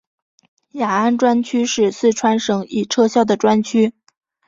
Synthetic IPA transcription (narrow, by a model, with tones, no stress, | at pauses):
ja˨˩a˥˧nʈ͡ʂwa˥nt͡ɕʰy˥ʂɻ̩˥˧sɹ̩˥˩ʈ͡ʂʰwa˥nʂɤ˧˥ŋi˨˩ʈ͡ʂʰɤ˥˧ɕjɑ˥˩ʊd̪ə˩ʈ͡ʂwa˥nt͡ɕʰy˥